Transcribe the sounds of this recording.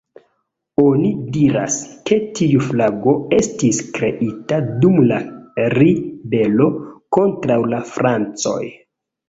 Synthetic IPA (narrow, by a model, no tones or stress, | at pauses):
onidiɾa̰ske̞tʰiuflaɡo̞e̞stiskɾe̞ʔitadumlaɾibe̞lo̞ko̞ntɾawlafɾʔant͡so̞̰j